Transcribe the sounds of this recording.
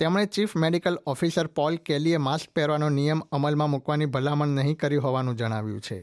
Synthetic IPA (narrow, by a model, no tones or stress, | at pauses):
t̪emɽ̃et͡ʃifmeɽikəlɔfisəɾpɔlkeliemask̚pɛɾʋanonijəməməlmãmukʋanibʱəlaməɳnəɦĩkəɾiɦɔʋanũd͡ʒəɽ̃aʋjṵ̃t͡ʃʰḛ